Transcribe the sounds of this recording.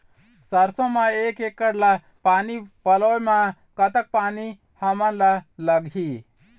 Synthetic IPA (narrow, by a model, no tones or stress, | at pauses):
səɾsõmaekekːəɾla | panipəloema | kət̪ək̚pani | həməɾlələɡʱi